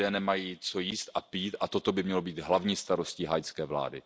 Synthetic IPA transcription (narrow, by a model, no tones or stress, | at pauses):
ɛːnɛmajiːt͡so̞jiːst̪ʔapiːt̪ʔat̪o̞t̪o̞bɪmɲɛlo̞biːd̪ɦlavɲiːst̪aɾo̞sciːɦajskɛːvla̰ːdɪ̰